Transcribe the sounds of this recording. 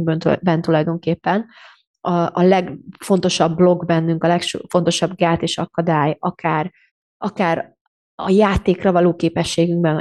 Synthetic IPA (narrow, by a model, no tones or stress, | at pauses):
bønt̪bɛnt̪ulɒjd̪o̞ŋkeːpːɛn | ɒɒlɛɡfo̞n̪t̪o̞ʃɒbːlo̞ɡbɛnːyŋkɒlɛkʃfo̞nt̪o̞ʃɒbɡaːt̪eːʃɒkɒd̪aːjɒkaːr | ʔɒkaːɾ | ɒjaːt̪eːkrɒvɒloːkeːpɛʃːeːɡyŋɡbɛn